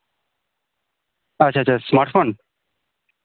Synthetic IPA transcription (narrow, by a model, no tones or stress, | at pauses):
ət͡ʃʰaːt͡ʃʰasmaɾʈfon